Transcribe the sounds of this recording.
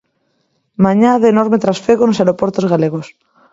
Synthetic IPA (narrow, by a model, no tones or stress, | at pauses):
mãɲaðenoɾmet̪ɾasfeɣonosaɾopoɾt̪ozɣaleɣ̞os